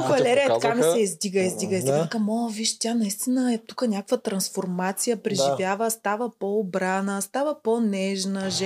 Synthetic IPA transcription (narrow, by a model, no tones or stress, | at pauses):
vɐlɛɾijət̪ɐkamisɛizd̪iɡəizd̪iɡəizd̪iɡ̪kamɔlˠəviʃt̪ʲanɐist̪inəɛt̪u̥kənʲakəkvət̪ɾɐnsfoɾmat̪sijəpɾɛʒivjavəst̪avəpɔːbɾanəst̪avəponɛʒnəʒɛ